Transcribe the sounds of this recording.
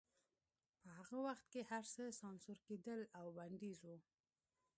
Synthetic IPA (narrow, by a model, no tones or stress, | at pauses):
pəhaɣawaxt̪̚kehaɾsəsɑnsuɾked̪əlawbaɳɖ̪izu